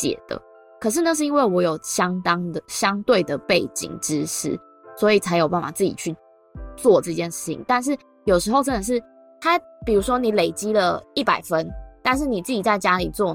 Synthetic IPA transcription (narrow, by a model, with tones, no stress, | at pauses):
ɕjɛ̰˨˩d̪̥ə̰˩ | kʰɤ˨˩ʂ̬ɻ̩˥˧na˥˧ʂ̬ɻ̩˥˩i˥nwe˥˩ɪwɔ˧˥jo˨˩ʊɕjɑ˦˥ŋt̪ɑ˥ŋd̪ə˨ɕjɑ˦ŋt̪we˥˩ɪd̪ə˩pe˥˩ɪt͡ɕḭ˨˩ŋʈ͡ʂɻ̩˦ʂɻ̩˥˩ | swɔ˧˦˥i˨t͡sʰa˧˥ɪjo˨˩ʊp̬a˥˩nfa̰˨˩t͡sɹ̩˥˩t͡ɕḭ˨˩t͡ɕʰy˥˧ | t͡swɔ˥˨ʈ͡ʂɤ˥˧t͡ɕjɛ˥˧nʂɻ̩˥˩t͡ɕʰḭ˨˩ŋt̪a˥˧nʂ̬ɻ̩˥˩ | jo˨˩ʊʂɻ̩˧˥xo˥˧ʊʈ͡ʂə˦˥nd̪ə˨˩ʂ̬ɻ̩˥˩ | t̪ʰa˥ | pi˨˩ɻu˧˥ʂwɔ˥ni˨˩˦le˨˩ɪt͡ɕi˥lə˨i˥˩pa˨˩ɪfə˦nt̪a˥˧nʂ̬ɻ̩˥˩ni˨˩t͡sɹ̩˥˩t͡ɕi˨˩t͡sa˥˩ɪt͡ɕja˦˥li˨˩t͡swɔ˥˧